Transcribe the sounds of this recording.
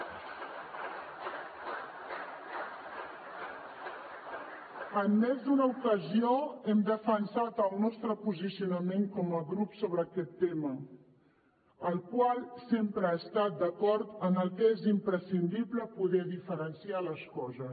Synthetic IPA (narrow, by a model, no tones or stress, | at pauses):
əmːɛzd̪unəukəzioɛmd̪əfənsat̪əlˠnɔst̪ɾəpuzisiunəmeŋkɔməɣɾupsoβɾəːkɛt̪ːemə | əlˠkwalˠsempɾəaːst̪at̪̚d̪əkɔɾt̪ənəlˠkezimpɾəsind̪ibləpuðɛðifəɾənsialəskɔzə